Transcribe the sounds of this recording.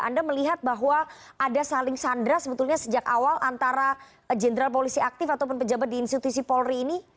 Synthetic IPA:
a̰ndaməliɦat̪̚baɦwaʔadasalɪŋsandɾasəbət̪ulɲasəd͡ʒakawalʔant̪aɾa | d͡ʒənəɾalp̬olisiak̚t̪ɪfat̪awpʊnpəd͡ʒabat̪̚diːnst̪it̪usipɔlriːni

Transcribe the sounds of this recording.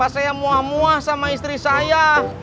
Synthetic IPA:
asajamuahmuahsamaist̪ɾisaja

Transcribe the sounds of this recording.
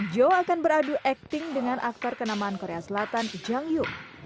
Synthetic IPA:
d͡ʒoakanbəɾaduʔɛk̚t̪ɪŋdəŋanʔak̚t̪ɔrkənamaankoɾeasəlat̪and͡ʒaŋjuk

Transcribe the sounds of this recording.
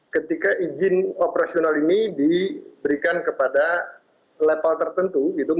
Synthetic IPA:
kət̪ikaʔid͡ʒɪnopəɾasionalinidibəɾikankəpada | lepalt̪ərt̪ənt̪uit̪u

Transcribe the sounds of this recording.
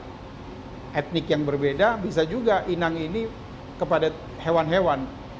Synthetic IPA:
ʔɛt̪̚nɪkjaŋbərbedabis̬ad͡ʒuɡaʔinaŋini | kəpada | hewanɦewan

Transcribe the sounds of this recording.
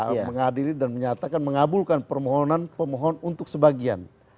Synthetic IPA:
məŋadilidanməɲat̪akanməŋabulkanpərmɔɦɔnanpəmɔɦɔnunt̪ʊk̚səbaɡia̰n

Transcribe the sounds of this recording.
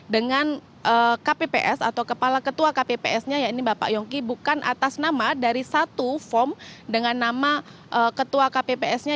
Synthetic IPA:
dəŋan | ʔəːkapepḛʔɛsa̰t̪awkəpalakət̪uakapepeʔɛsɲajainibapa̰ʔjɔŋkibukanʔa̰t̪asnamadaɾisat̪ufɔrmdəŋanːama | ʔəːkət̪uakapepeɛsɲa

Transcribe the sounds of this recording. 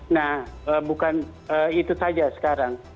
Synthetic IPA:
nahəːbukan | əit̪usad͡ʒasə̥kaɾaŋ

